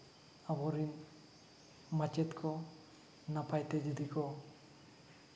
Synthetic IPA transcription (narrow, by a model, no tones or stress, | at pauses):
awɔɾin | mat͡ʃɛt̪kʰɔ | napajt̪ɛd͡ʒɔd̪ikɔ